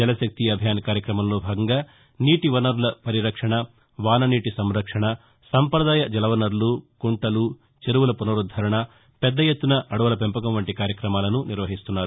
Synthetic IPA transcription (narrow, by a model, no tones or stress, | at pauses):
d͡ʒɐlɐsɐk̚t̪ijɐbʱjaːnɐkaːɾjɐkɾɐmɐmlo̞ːbʱaːɡɐŋɡaː | niːʈiʋɐnɐɾulɐpɐɾiɾɐkʂɐɳɐ | ʋaːnɐniːʈisɐmɾɐkʂɐɳɐ | sɐmpɾɐd̪aːjɐd͡ʒɐlɐʋɐnɐɾlukuɳʈɐlu | t͡ʃeɾuʋulɐpunɐɾud̪ʱɐɾɐɳɐ | pɛd̪ːɐjet̪ːunɐʔɐɽuʋɐlɐpempɐkɐmʋɐɳʈikaːɾjɐkɾɐmaːlɐnuniɾʋɐɦist̪unːaːɾu